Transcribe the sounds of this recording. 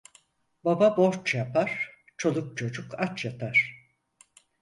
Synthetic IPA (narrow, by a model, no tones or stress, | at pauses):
bababo̞ɾt͡ʃjapʰaɾ̥ | t͡ʃʰo̞lˠuk̚t͡ʃʰo̞d͡ʒukat͡ʃjapʰaɾ̥